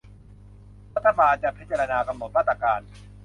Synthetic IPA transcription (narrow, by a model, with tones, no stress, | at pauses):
ɾa˦t̪ʰːa˧baː˧nt͡ɕa˨ʔpʰi˦˥t̪̚t͡ɕa˧ɾa˧naː˧ka˧mo˨˩t̪̚ɾa˦˥˩t̪ʰːɾa˧kaː˧n